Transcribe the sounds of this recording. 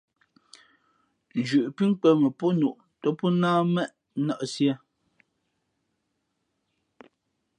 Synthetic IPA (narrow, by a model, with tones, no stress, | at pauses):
n˨d͡ʒʉ˨ʔpi˦ŋ˦k͡pɛ˦mə˨pɔ˦nu˨ʔ | tɔ˦pɔ˦naː˦mɛ˦ʔ | na˦˨ʔsjɛ˦